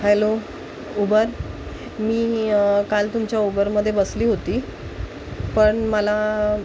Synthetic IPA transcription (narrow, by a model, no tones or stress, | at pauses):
ɦɛlo | ubəɾ | miːkalt̪umt͡ɕjaubəɾməd̪ʱːjebəsliːɦot̪iː | pəɳməla